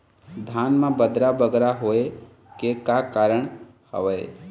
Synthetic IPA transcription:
d̪ʱjaːnmãbəd̪ɾabəɡɾaɦoe | kekakaːɾəɳ̃ | hə̰ʋe

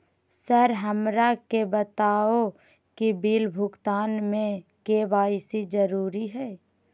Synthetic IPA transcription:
səɾɦəmɾakebət̪aːo | kibiːlbʱʊɡt̪aːnmẽkeʋaːɪsid͡ʒəɾuːɾiɦɛː

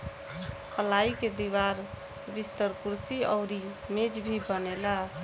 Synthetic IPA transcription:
pəlaiked̪iwaɾ | bist̪əɾkuɾsiɔʊɾi | med͡ʒbʱibənela

